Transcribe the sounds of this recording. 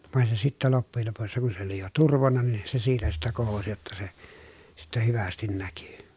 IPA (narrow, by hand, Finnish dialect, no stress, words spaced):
ʋɑˑen se sitːæ lopːujel lopusːɑ kun se oli jo turʋonːɑ nin se siːtæ sitːæ kohosi jotːɑ se sitːæ hyʋæstin næky